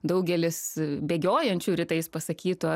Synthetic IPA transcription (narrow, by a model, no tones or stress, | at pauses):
d̪ɐʊɡʲɛlʲɪsbʲeːɡʲoːjɛnʲt͡ʃʲuːɾʲɪt̪ɐɪspɐsɐkʲiːt̪oː